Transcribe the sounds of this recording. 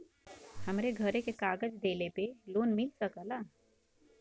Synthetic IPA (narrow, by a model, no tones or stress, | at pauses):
hɐmɾeɡʱəɾẽkekaːɡəd͡ʒd̪eːlepeloːnmɪlsəkalaː